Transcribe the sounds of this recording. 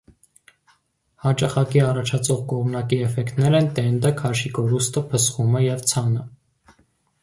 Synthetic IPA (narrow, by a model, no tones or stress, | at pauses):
hɑt͡ʃɑχɑkiɑrɑt͡ʃʰɑt͡sʰɔʁkɔʁmnɑkiɛfɛkt̪nɛɾɛnt̪ɛnd̪əkʰɑʃikɔɾust̪əpʰəsχumɛjɛvt͡sʰɑnə